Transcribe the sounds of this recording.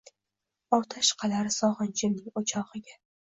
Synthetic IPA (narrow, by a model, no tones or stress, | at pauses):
ɒwt̪ʰaʃqʰɑlaɾɪsɒʁɨnt͡ʃɪɾnɪŋot͡ʃʰɒʁɨɡʲa